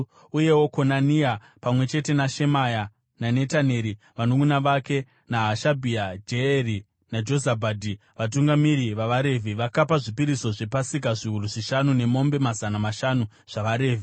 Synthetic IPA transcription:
uje̞wo̞ko̞nania | pamwe̞t͡ʃe̞te̞naʃe̞maja | nane̞taneɾi | ʋanokunaʋake̞ | naɦaʃabʱiad͡ʒeeri | nad͡ʒo̞zabʱaːdʱi | ʋat̬uŋɡamiɾiʋaʋaɾe̞vʱiʋakapaʐipiɾiso̞ʐe̞pasik̬aʐiɦuruʐiʃanune̞mo̞mbe̞mazanamaʃanu | ʐ̥aʋaɾe̞ːvi

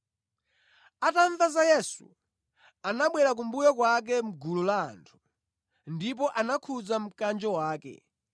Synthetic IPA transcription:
ataɱvazajɛsṵ | anaɓwɛɾak̬umbujɔkwak̬ɛm̩ɡulula̰ːntʰu̥ | ndip̬ɔʔanakʰud͡zam̩kand͡ʒɔwaːkɛ̰

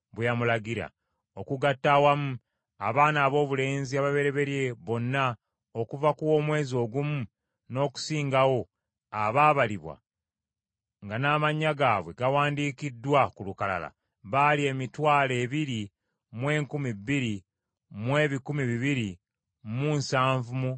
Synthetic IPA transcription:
βejamulaɡiɾa̰ | o̞kuɡatːawamu | a̰βaːnaːβo̞ːβule̞ːnziaβaβe̞ɾe̞βe̞ɾjeβo̞nːa | okuvakuwo̞ːmwe̞ːzio̞ːɡumu | no̞ːku̥siːŋɡawo̞ | aβaːβaliβwa̰ | ŋɡanaːmaɲːaɡaːβwe̞ɡawaːndiːkidːwakulukala̰la̰ | βalie̞ːmitwaːle̞ːβiɾi | mwe̞ːŋkumibːiɾi | mwe̞ːβikumiβiβiɾi | munsaːɱvumu

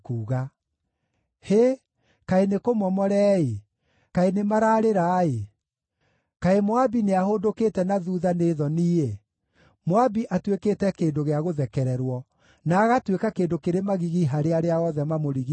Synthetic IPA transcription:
kuːɣa | he | kaenekomɔmɔɾɛːe | kaenemaɾaːɾeɾae | kaemwabineahodoketɛnaðuðaneːðɔniːe | mwabiʔatwekeːtɛkeːndoɣeaɣoðɛkɛɾɛɾwɔ | naːɣatwekakeːndokeɾemaɣiɣiɦaɾeaɾeaɔðɛmamoɾiɣi

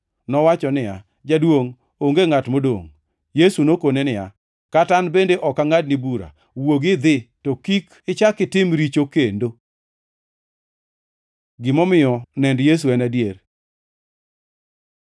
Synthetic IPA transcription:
nɔwat͡ʃɔnɪja̰ | d͡ʒadwoŋ | oŋɡeŋatmodo̰ŋ | jesunokonenɪja | katanbendeʔɔkaŋadnɪbuɾa̰ | woɡɪd̪ɪtokik | ɪt͡ʃakɪtɪmɾit͡ʃokendo | ɡɪmɔmɪjɔnɛndjes̬uɛnadjer

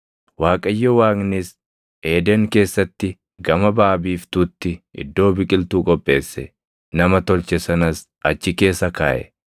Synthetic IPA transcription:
waːkʼɐjːɔwaːŋnɪs | ʔe̞ːd̪eːŋke̞ːsːɐt̪ːɪ | ɡɐmɐbaːbiːft̪uːt̪ːɪɪ̰d̪ːo̞ːbɪkʼɪlt̪uːkʼɔpʼːe̞ːsːɛ | nɐmɐt̪ɔlt͡ʃɛsɐnɐs | ʔɐt͡ʃːɪke̞ːsːɐka̰ːʔɛ̰

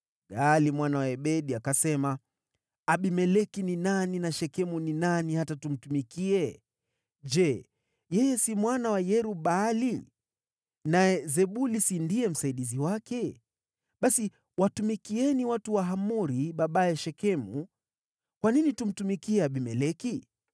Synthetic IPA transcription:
ɡalimwanawaɛɓɛɗiakasɛma | aɓimɛlɛkininaninaʃɛkɛmuninanihatatum̩tumikiɛ | d͡ʒɛ | jɛjɛsimwanawajɛɾuɓali | naɛzɛɓulisindiɛm̩saiɗiziwakɛ | ɓasi | watumikiɛniwatuwaɦamuɾiɓaɓajɛʃɛkɛmṵ | kwaninitum̩tumikiɛaɓimɛlɛki

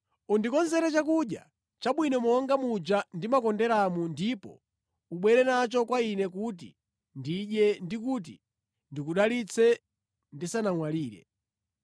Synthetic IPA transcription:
undikɔnzɛɾɛt͡ʃakuɗja | t͡ʃaɓwinɔmɔŋɡamud͡ʒandimakɔndɛɾamundipɔ̰ | uɓwɛɾɛnat͡ʃɔkwainɛkut̬ḭ | ndiɗjɛndikut̬i | ndik̬uɗalit͡sʰɛ | ndisanaŋwaliːɾɛ̰

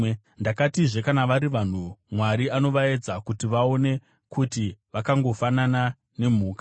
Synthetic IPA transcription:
ndakatiʐe̞kanaʋaɾiʋan̤umwaɾiano̞ʋae̞d͡zakutiʋao̞ne̞ | kutiʋakaŋɡo̞fanana | ne̞m̤uːka

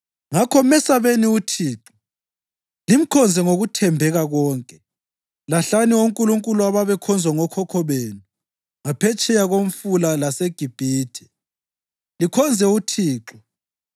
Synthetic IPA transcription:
ŋakʰɔmɛsaβeniutʰiːǁɔ | lim̩kʰɔnd͡zʱɛŋoɣutʰɛmbʱɛɣaɣɔːŋkʼɛ | laɬaniwoŋkʼuluŋkʼuluaβaβɛkʰɔnd͡zʱwaŋɔkʰɔkʰɔβeːnuu | ŋapʰɛt͡ʃʼɛjaɣoɱ̩fulalaseɡ̥ʱib̥ʱiːtʰɛ̥ | likʰɔnd͡zʱɛutʰiːǁɔ

